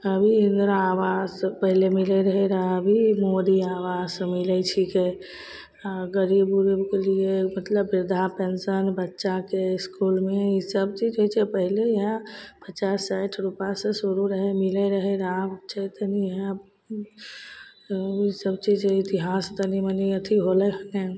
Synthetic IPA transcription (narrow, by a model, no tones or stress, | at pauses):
əbʱiɪ̃nd̪ɾaːwazpəɦilemilɛɾəɦɛɾaəbʱimoɾiaːwaːzsmɪlɛt͡ʃʰike | ɡəɾibɾibkeliemət̪ləbːɪɾd̪ʱapensənbətːʃakeɪskulmẽisəb̚t͡ʃid͡ʒɦojt͡ʃʰɛpəɦileɦãpʰət͡ʃasːajʈʰɾupasẽsuɾuɾəɦɛmilɛɾəɦɛɾabt͡ʃʰɛt̪əniɦɛ | isəbt͡ʃid͡ʒɦit̪iɦast̪əniməniət̪ʰiɦolɛɦəŋe